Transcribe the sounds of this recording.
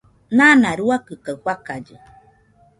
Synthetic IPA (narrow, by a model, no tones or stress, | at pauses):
nanãɾuakɨkaɸakad͡ʒɨ